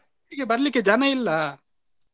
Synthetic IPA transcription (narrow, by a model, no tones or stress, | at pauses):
ikebɐɾliked͡ʒanailːa